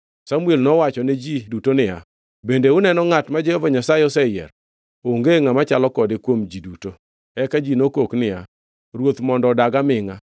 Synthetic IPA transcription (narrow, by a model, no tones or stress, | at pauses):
samʊelnɔwat͡ʃɔned͡ʒidutonɪa | bendeʊnɛnɔŋatmad͡ʒɛhɔvaɲasaɪɔsɛjɛ̰ɾ | oŋɡeŋamat͡ʃalɔkɔdɪkwomd͡ʒiduto | ɛkad͡ʒinokoknɪa | ɾwot̪mɔndɔdaɡamɪŋa